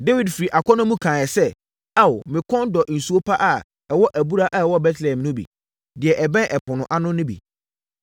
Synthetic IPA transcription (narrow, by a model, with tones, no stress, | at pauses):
de˦wi˨dfi˨ɾi˨ʔa˨kʰɔ˦nʊ̃˦mũ˦kʰã˨jɛ˨sɛ˦ | a˦˨wmɪ̃˨kʰɔ̃˦ndɔ˨n̩˨su˨˦o˦pʰa˦ʔa˨ | ɛ˨wɔ˦ʔæ˨bu˦ɾa˦ʔa˨ɛ˨wɔ˦bɛ˦tʰlɛ˨ɛ̃˨mnʊ̃˦bḭ˨ | dɪ˨ɛ˨ʔɛ˨bɛ̃˦ʔɛ˨pʰʊ̃˨nʊ̃˨ʔa˦nʊ̃˦nʊ̃˦bḭ˨